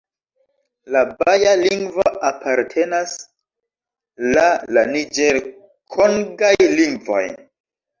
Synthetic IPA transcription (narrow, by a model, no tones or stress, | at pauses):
labajaliŋɡvoʔapʰaɾtʰe̞nas | lalanid͡ʒeɾ | kʰoŋɡajliŋɡvo̰j